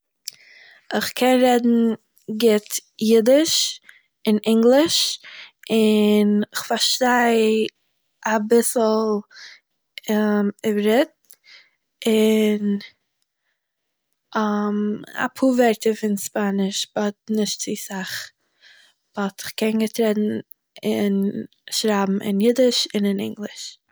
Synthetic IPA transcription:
ɪχkʰɛnɾɛdn̩ | ɡɪtjɪdɪʃ | ɪnʔɪŋɡlˠɪʃ | ɪnɪχfaɾʃtaɪ | abɪsl̩ˠ | ɪbɾɪt̚ | ɪn | ma̰pʰuːvɛɾtəfɪnspanɪʃbɔt̚nɪʃtt͡sisaχ | b̥ɔtɪχkɛnɡətɾɛtn̩ | ɪn | ʃɾaːbm̩ʔɪ̰njɪdɪʃɪnɪnɪ̰ŋɡlˠɪʃ

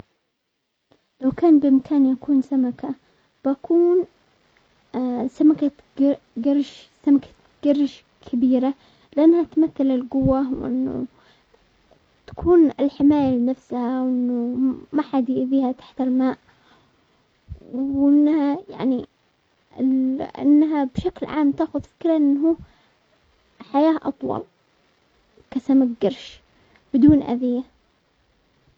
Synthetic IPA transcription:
lawkaːnbɪʔɪmkʰaːnjakuːnsamakʰa | b̥akʰuːn | samaka | ɡ | ɡarˤʃsamakʰḁ | ɡ̥ɑrˤːʃ | kʰabiːɾa | lɪʔanːhat̪maθːalɪlɡʊwːawʔɪ̰nːʊ̰ | t̪ḁkʰuːnɪlħɪmaːjalɪnafshawʔɪnːʊmaħad̪ʔɪðiːhat̪ḁħt̪ɪlmaːʔ | wʔɪnːhaja̰ʕni | ɪlɪ̰nːɦabʃaklʕaːmt̪aːxʊðfɪ̥kɾaʔɪnːɦuː | ħajaːʔɑt̪ˤwɑ̰l | kasamak̚ɡɑɾˤʃ | b̥ɪd̪uːnʔa̰ðɪjːa

